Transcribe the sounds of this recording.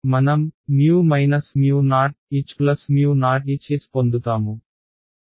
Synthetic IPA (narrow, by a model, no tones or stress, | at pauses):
mɐnɐmːjuːmɐjnɐsmjuːnaːʈ̚iːt͡ʃplɐsmjuːnaːʈit͡ʃeːsi̥pond̪ut̪aːmu